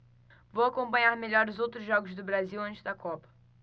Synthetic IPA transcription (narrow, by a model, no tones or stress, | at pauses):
vowakõpɐ̃ɲaɾmeʎɔɾʊzowt̪ɾʊzʒɔɡʊzd̪ʊbɾaziwɐ̃t͡ʃɪzd̪ɐkɔpɐ̥